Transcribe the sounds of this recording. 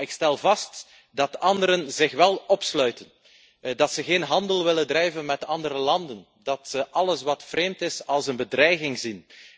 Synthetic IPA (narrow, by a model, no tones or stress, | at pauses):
ɪkstɛlˠvɑst | dɑtɑndəɾənzɪxʋɛlˠɔpslœɥtən | dɑtsəɣeːnɦɑndəlˠʋɪləndrɛjvənmɛtɑndəɾəlɑndən | dɑtsəʔɑləsʋɑtfreːmtɪsɑlˠsənbədrɛjɣɪŋzin